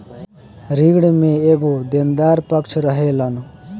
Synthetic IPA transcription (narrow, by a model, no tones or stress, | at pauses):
ɾiɡɽmeeɡod̪end̪aɾpʌkt͡ʃʰɾʌɦelʌn